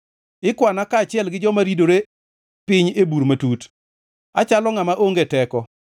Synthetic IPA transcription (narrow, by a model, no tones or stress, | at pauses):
ɪkwanakaːt͡ʃɪɛlɡɪd͡ʒɔmaɾidoɾe | pɪɲebuɾmatut | at͡ʃalɔŋamaʔoŋɡetɛkɔ